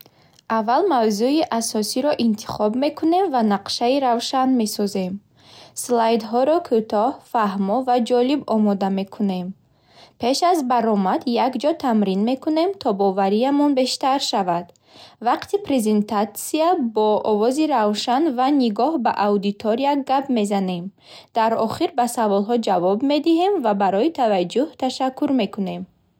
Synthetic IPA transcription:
avːalmavzuiʔasɔsiɾɔʔint̪ʰi̥χɔbme̞kʰune̞mvanaqʃaiɾavʃanme̞sɔze̞m | slajd̪ɦɔɾɔkʰut̪ʰɔhfahmɔvad͡ʒɔlibɔmɔd̪ame̞kʰune̞m | pʰe̞ʃazbaɾɔmad̪jakd͡ʒɔt̪ʰamɾinme̞kʰune̞mt̪ʰɔbɔvaɾiamɔnbe̞ʃt̪aɾʃavad̪̥ | vaqt̪ipɾeze̞nt̪ʰat̪siabɔɔvɔziɾavʃanvaniɡɔhbaʔawd̪it̪ʰɔɾiaɡapme̞zane̞m | d̪̥aɾɔχiɾbasavɔlɦɔd͡ʒavɔbme̞d̪iɦe̞mvabaɾɔit̪ʰavad͡ʒːuht̪ʰaʃakʰːuɾme̞kune̞m

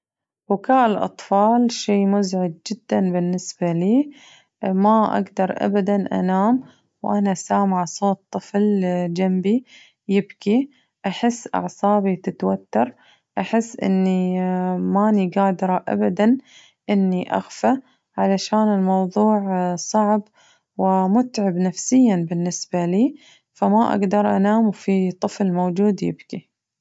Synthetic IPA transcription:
bʊkaːʔɪlʔɑ̰t̪ˤfɑːlʃeːmʊzʕɪd̪̚d͡ʒɪd̪̥ːanbɪnːɪsbaliː | maʔa̰ɡd̪ɑɾˤʔa̰bad̪anʔa̰naːm | wʔanasaːmʕasˤoːt̪ˤːɨfld͡ʒambi | jɪbki | ʔaħɪsːʔɑ̰ʕsˤɑːbit̪ɪt̪wat̪ːɑɾˤ | ʔaħɪsːʔɪ̰nːi | maːniɡaːd̪ɾˤɑʔa̰bad̪an | ʔɪnːiʔa̰xfa | ʕalaʃaːnɪlmɑwðˤuːʕsˤɑʕb | wɪmʊt̪ʕɪbnafsɪjːanbɪnːɪsbaliː | famaʔa̰ɡd̪ɑɾˤʔa̰naːmwfit̪ˤːɨflmoːd͡ʒuːd̪jɪ̰bki

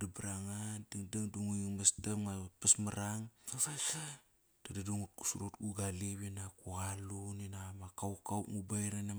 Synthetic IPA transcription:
dabɾaŋandiŋdaŋduŋuiŋmastamŋapasmaɾaŋ | d̥adaduŋut̚ku̥suɾutɡuɡaliβinakuɣaluninamakawkawŋubajɾana

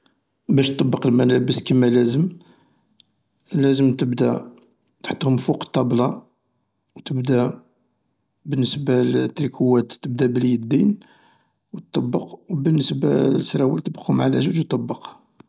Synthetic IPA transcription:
bæʃt̪ˤːɑbːəqəlmælæbəskəmːælæzəm | læzəmt̪əbd̪æ | t̪ħə̥t̪ːˤhʊmfuqə̥t̪ˤːɑblɑ | wt̪əbd̪æ | bənːəsbalt̪ːɾikʰuwːæt̪ːəb̚d̪æbəlijəd̪ːin | wət̪ˤːɑbːəqwbənːəsbasːɾæwilt̪əbə̥qhʊmʕalæʒuʒwt̪ˤːɑbːəq

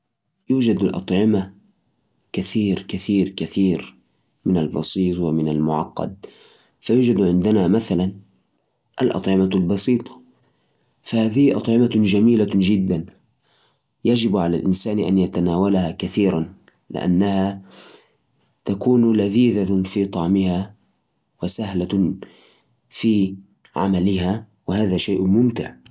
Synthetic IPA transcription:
juːd͡ʒad̪alʔɑ̰t̪ˤʕɪma | kaθiːɾkaθiːɾkaθiːɾ | mɪnalbɑ̰sˤiːt̪ˤwɪmɪnalmʊʕɑqːɑ̰d̪̚ | fajuːd͡ʒad̪ʕɪnd̪ɪnamaθalan | ʔalʔɑ̰t̪ˤʕɪmalbɑsiːt̪ˤɑ̥ | fahaːðɪhʔɑt̪ˤʕɪmad͡ʒamiːlad͡ʒɪd̪ːan | jad͡ʒɪbʕala̰lʔɪnsaːnʔa̰njat̪anaːwalahakaθiːɾan | lɪ̰ʔa̰nːaha | t̪akuːnlaðiːðafiːt̪ˤɑʕmɪha | wɪsahla | fiː | ʕa̰malɪɦa | wɪhaːðaʃajːʔmʊmt̪ɪʕ

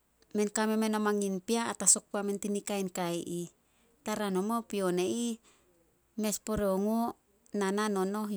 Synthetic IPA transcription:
menkamemenomaŋinpiaːtasok̚puamentinikainkaiʔi | taɾanomopionei | me̞spoɾeoŋo | nananono

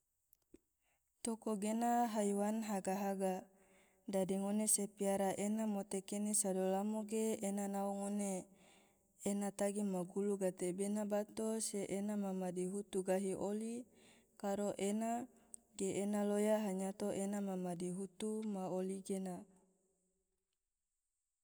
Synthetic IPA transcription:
t̪okoɡenaɦaiwanɦaɡaɦaɡa | dadiŋonesepiaɾaʔenamot̪ekenesadolamoɡeːnanaoŋone | nat̪aɡimaɡuluɡat̪ebenabat̪oseʔenamamadiɦut̪uɡaɦiʔoli | kaɾoʔena | ɡeʔenalojaɦaɲat̪oʔenamamadiɦut̪umaoliɡena

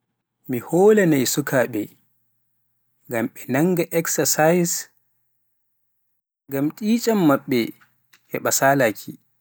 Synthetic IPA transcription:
mihoːlanajsukʰaːɓɛ̰ | ŋɡamɓɛnaŋɡaʔɛksasajs | ŋɡamtʼiːt͡ʃʼamːaɓːɛ | hɛɓasaːlaːkʰi

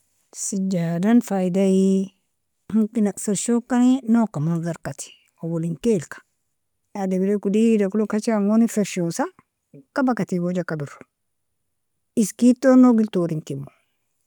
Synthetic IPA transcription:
sid͡ʒadanfaidai | hukinaksaʃokːaninokamazaɾkat̪i̥ | owoliŋkelkḁ | adebilekudidakulokat͡ʃiaŋonifeɾʃosa | kabakatiɡod͡ʒakabiɾo̥ | iskitːonoɡiltoɾiŋkimːo

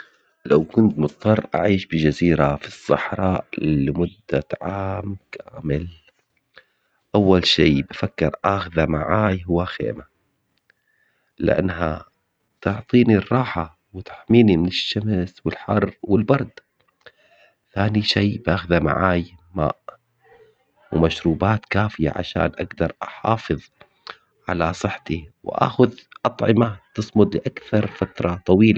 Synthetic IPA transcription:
lawkʊnt̪mʊt̪ˤːɑrˤːʔa̰ʕiːʃbɪd͡ʒaziːɾafisˤːɑ̰ħɾˤɑːʔlɪmʊd̪ːaʕaːmkʰaːmɪl | ʔawːalʃiːbafakːɪɾʔaxðamaʕaːjɦʊwːaxḛːma | lɪ̰ʔa̰nːɦa | t̪ʊʕt̪ˤiːnirˤːɑːħa | wɪt̪ḁħmiːnimɪnɪʃːamswɪlħɑrˤːwɪlbɑɾˤd̪ | θaːniʃajbʔaːxðama̰ʕaːjma̰ːʔ | wɪmaʃɾuːbaːt̪kaːfɪja̰ʕa̰ʃa̰ːnʔaɡd̪ɑɾˤʔɑħɑːfɨðˤ | ʕalasˤɨħːt̪iwʔa̰ːxʊðʔɑt̪ˤʕɪmat̪ɨsˤmʊd̪ˤlɪʔakθɑɾˤfat̪ɾˤɑt̪ˤɑwiːla

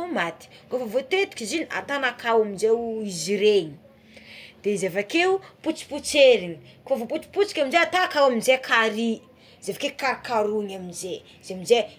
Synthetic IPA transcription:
mat̪i̥ɡavovot̪et̪u̥kʲizinia̰t̪anakawaminzewiziɾeɲi̥ | d̪̥ezevakeuput͡si̥put͡seɾiɲi | kfavoput͡si̥put͡si̥kʲaminzeat̪akawaminzekʰaɾi | zefakekaɾkaɾuɲaminze | zeminze

